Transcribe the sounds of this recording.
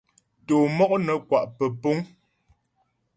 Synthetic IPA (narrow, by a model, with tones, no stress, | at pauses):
toː˨mɔ˦ʔ̚nə˨kwa˨ʔpə˨po˦ŋ